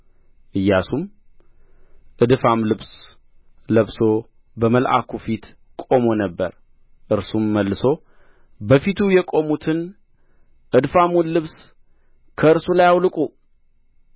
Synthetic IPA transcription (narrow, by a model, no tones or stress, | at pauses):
ʔɨjːasum | ʔɨd̪famlɨβs | ləβso̞ | bəməlʔa̰kʰufit̪ | kʼomo̞nəbːə̰ɾ | ʔɨɾsumːəlːɨso̞ | bəfit̪ʰujɛkʼo̞mut̪ʰɨn | ʔɨd̪famullːɨβs | kʰəɨɾsulajawlɨkʼu